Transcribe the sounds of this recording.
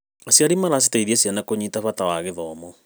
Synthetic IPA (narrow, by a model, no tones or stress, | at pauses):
asiaɾimalas̬itaiðiasianakoɲitafatawaɣeðɔmɔ